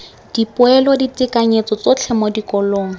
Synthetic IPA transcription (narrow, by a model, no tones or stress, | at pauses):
d̥ipʊɛlɔditɪkaɲet͡sɔt͡sɔt͡ɬʰɛmɔdikɔloːŋ̩